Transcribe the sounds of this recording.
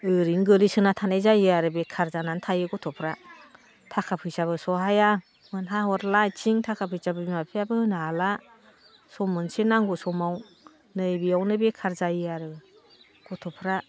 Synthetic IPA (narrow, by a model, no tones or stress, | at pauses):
ɯɾiŋɡɯlisɯnatʰanajzajaɾɯbekʰaɾzanantʰajɯɡɔtʰɔpʰɾa | tʰakʰapʰɯjsaβɯsɔɦaja | mɯnɦahɔɾlajt͡ʃiŋtʰakʰapʰɯjsabɯimapʰijabɯnala | sɔmɯnsenaŋɡusɔmaw | nɯjbiawnɯbekʰaɾzajɯaɾɯ | ɡ̥ɔtʰɔpʰɾa